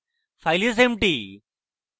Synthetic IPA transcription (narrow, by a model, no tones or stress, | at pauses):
fajlis̬emʈi